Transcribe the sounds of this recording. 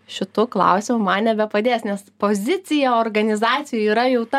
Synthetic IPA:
ʃʲɪt̪uːklˠɐ̰ʊsʲɪmʊmɐnnʲɛbʲɛpɐd̪ʲeːsnʲɛspoːzʲɪt͡s̪ʲɪjɛoːrɡɐnʲɪzɑːt͡s̪sʲɪjuiːɾɐjɛʊt̪ɐ

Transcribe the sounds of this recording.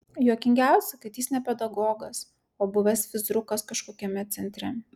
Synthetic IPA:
juːkʲɪŋʲɡʲæˑʊsʲɛkɐt̪jisnʲɛpʲɛd̪ɐɡoːɡɐs | oːbʊʋʲɛsʋʲɪzɾʊkɐskɐʃkoːkʲɛmʲɛt̪sʲɛnʲt̪ʲɾʲɛ

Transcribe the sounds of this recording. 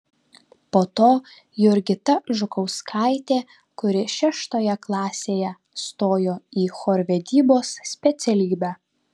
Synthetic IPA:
poːt̪oː | jʊɾʲɡʲɪt̪ɐʒʊkɐʊskʰɑˑɪt̪ʲeː | kʊɾʲɪʃʲæʃt̪oːjɛklˠɑːsʲeːjɛ | st̪oːjoːiːxoːɾʲʋʲɛd̪ʲiːboːssʲpʲɛt̪sʲɛlʲiːbʲæː

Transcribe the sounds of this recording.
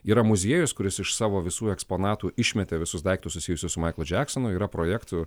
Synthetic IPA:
iːɾɐmʊzʲiɛjʊskʊɾʲɪsɪʃsɑːʋoːʋʲɪsuːɛkspoːnɑːt̪uːʔɪʃʲmʲɛt̪ʲeʋʲɪsʊsd̪ɐɪkt̪ʊssʊsʲiːjʊsʲʊsʊmɐɪklˠʊd͡ʒʲæːksɔnʊiːɾɐpɾoːjɛːkt̪ʊ

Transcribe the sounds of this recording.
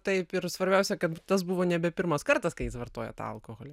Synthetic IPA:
t̪ɐɪpɪɾsʋɐɾʲbʲɛʊsʲɛkɐt̪t̪ɐs̬buʋoːnʲɛbʲɛpʲɪɾmɐskɐrt̪ɐskɐɪjɪsʋɐrt̪oːjɛ̰t̪ɑ̰ɐ̰lˠkoɣoːlʲɛ

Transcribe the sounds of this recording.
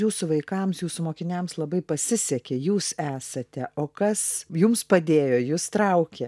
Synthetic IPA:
juːsʊʋɐɪkɐmsjuːsʊmoːkʲɪnʲɛmslˠɐbɐɪpɐsʲɪsʲɛkʲejuːsæːsɐt̪ʲɛʔoːkɐsjʊmspɐd̪ʲeːjoːjuːst̪ɾɐʊkʲɛ

